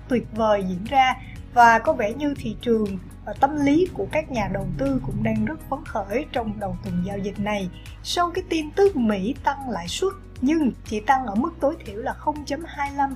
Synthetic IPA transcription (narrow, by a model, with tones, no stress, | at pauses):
t̪wi˨˩ət̚vəː˨˩jzḭ˧˥ənzaː˧ | vaː˨˩kɔ˨˦vɛ˧˩ɲɨ˧t̪ʰḭ˧˨t͡ɕɨ˨˩əŋ | t̪ə˧mli˨˦ku˧˩əkaː˦˥k̚ɲaː˨˩ɗə˨˩wt̪ɨ˧kʊ̰˧˥ŋ͡mɗaː˧ŋzə˦˥t̚fə˨˦nxəː˧˩˨jt͡ɕɔ˧wŋ͡mɗə˨˩wt̪wi˨˩ŋzaː˧wzï˨˩k̟̚na˨˩j | sa˧wkaː˨˦jt̪i˧nt̪ɨ˦˥k̚mḭ˧˥t̪a˧ŋla̰ː˧˨jswə˦˥t̚ɲɨ˧ŋt͡ɕḭ˧˩t̪a˧ŋʔəː˧˩mɨ˦˥k̚t̪o˨˦jt̪ʰḭ˧˩əwlaː˨˩xə˧wŋ͡mt͡ɕə˨˦mhaː˧jla˧m